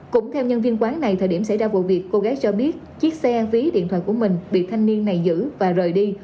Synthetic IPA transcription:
kʊ̰˧˥ŋ͡mt̪ʰɛ˧wɲə˧nvi˧ənkwaː˨˦nna˨˩jt̪ʰəː˨˩ɗi˧˩əmsa̰˧˩jzaː˧vṵ˧˨vi˨˩əkːo˧ɣaː˨˦jt͡ɕɔ˧ɓi˦˥ət̚t͡ɕi˦˥ək̚sɛ˧vi˨˦ɗḭ˧˨nt̪ʰwaː˧˨ku˧˩əmï˨˩ŋ̟ɓḭ˧˨t̪ʰa˧jŋ̟ni˧ənːa˨˩jzɨ̰˧˥vaː˨˩zəː˨˩jɗi˧

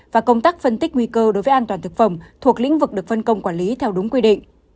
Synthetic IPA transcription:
vaː˨˩kə˧wŋ͡mt̪aː˦˥k̚fə˧nt̪ï˦˥k̟̚ŋwi˧kəː˧ɗo˨˦jvə˨˦ʔaː˧t̪waː˨˩nt̪ɨ˨˩k̚fə˨˧˩ŋ͡mt̪ʰu˨˩ək̚lḭ˧˥ŋ̟vɨ˨˩k̚ɗɨ˨˩ək̚fə˧nkə˧wŋ͡mkwaː˧˩nli˨˦t̪ʰɛ˧wɗʊ˨˦ŋ͡mkwi˧ɗḭ˧˨ŋ̟

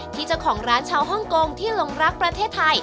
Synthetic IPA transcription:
t̪ʰiː˥˩t͡ɕa˦˥˩wkʰɔː˩˦ŋɾaː˦˥nt͡ɕʰaː˧wɦɔ˥˩ŋko˧ŋt̪ʰiː˥˩lo˧ŋɾa˦˥pːɾa˧t̪ʰeː˥˩t̪ʰːa˧j

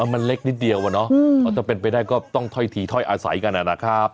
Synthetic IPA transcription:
ʔa˧˩ma˧nle˦˥k̚ni˦˥t̪̚di˧ə˧wa˨˧˩nɔ˦˥ɔː˧˩t͡ɕa˨˩pe˧npa˧jdaː˥˩jkɔː˥˩t̪ɔ˥˩ŋt̪ʰɔ˥˩jt̪ʰiː˧t̪ʰɔ˥˩jʔaː˧sa̰˩˦jka˧nʔa˧naː˧˩kʰaː˥˩p̚

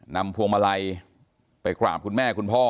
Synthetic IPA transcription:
na˧mpʰu˧əŋma˧la˧j | pa˧jkla̰ː˨˩p̚kʰu˧nmɛː˥˩kʰu˧npʰɔː˥˩

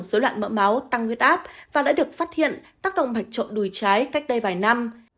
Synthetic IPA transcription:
ŋ͡msə˨˦lwa̰ː˧˨nmə̰ː˧˥ma˨˦wt̪a˧ŋwi˦˥t̚ʔaː˦˥p̚vaː˨˩ɗa̰ː˧˥ɗɨ˨˩ək̚faː˦˥t̚hḭ˧˨ənt̪aː˦˥k̚ɗə̰˧˨wŋ͡mɓa˨˩jk̟̚t͡ɕo̰˧˨nɗu˨˩jt͡ɕaː˨˦jka˦˥k̟̚ɗ̪ə˧jvaː˨˩jna˧m

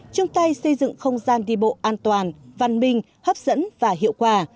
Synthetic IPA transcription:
t͡ɕʊ˧ŋ͡mt̪a˧jsə˧jzɨ̰˧˨ŋxə˧wŋ͡mzaː˧nɗi˧˩ɓo̰˧˨ʔaː˧nt̪waː˨˩nva˧˩nmï˧ŋ̟ | həː˦˥p̚z̥ə̰˧˥nvaː˨˩ɦḭ˧˨əwkwaː˧˩

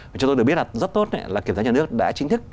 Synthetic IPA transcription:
a˨˩t͡ɕŋ͡mt̪o˧ɨ˨˩kɓt̚a˨zt̚t̪o˦˥t̚na̰˧˦laː˨˩i˧˩sa˨˦ɲa˨˩ɨ˦˥ək̚ɗa̰ː˧˥t͡ɕï˧ŋ̟t̪ʰɨ˦˥k̚

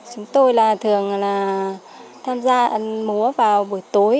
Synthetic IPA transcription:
t͡ɕʊ˨˦ŋ͡mt̪o˧jlaː˨˩t̪ʰɨ˨˩əŋlaː˨˩ | t̪ʰaː˧mzaː˧ʔə˨˦nmu˨˦əvaː˨˩wɓu˧˩əjt̪o˨˦j

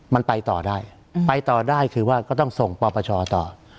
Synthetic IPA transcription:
ma˧npa˧jt̪ɔː˨˩daː˥˩j | pa˧jt̪ɔː˨˩daː˥˩jkʰɯː˧waː˥˩kɔː˥˩t̪ɔ˥˩ŋso˨˩ŋpɔː˧pʰaː˧t͡ɕʰɔː˧t̪ɔː˨˩

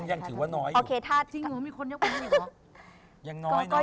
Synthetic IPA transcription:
ŋja˧ŋt̪ʰɯː˩˦waː˥˩nɔː˦˥joː˧kʰeː˧t̪ʰaː˥˩t͡ɕi˧˨˩miː˧kʰo˧njo˥pː | ja˧˩ŋnɔ˧˦˥kɔː˥˩

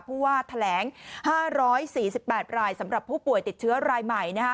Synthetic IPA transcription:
pʰuː˥˩waː˥˩t̪ʰa˧lɛː˩˦ŋhaː˥˩ɾɔː˦˥jsiː˨˩si˨˩pːɛː˨˩t̪̚ɾaː˧jsa˩˦mɾa˨˩pʰːuː˥˩pu˨˩əjt̪i˨˩t̪̚t͡ɕʰɯ˦˥ɐɾaː˧jma˨˩jna˦˥ka˦˥

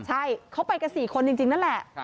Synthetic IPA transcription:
t͡ɕʰa˥˩jkʰa˦˥wpa˧jka˧nsiː˨˩kʰo˧nt͡ɕi˧ŋt͡ɕi˧ŋna˦˥nlɛ˨˩ʔ

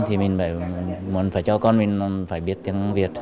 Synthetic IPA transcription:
t̪ʰi˨˩mï˨˩ŋ̟ɓa̰ː˧˩jmu˨˧˦ənfaː˧˩jt͡ɕɔ˧kɔ˧nmï˨˩ŋ̟˧faː˧˩jɓi˦˥ət̚t̪i˧˦əŋ˧vi˨˩ət̚

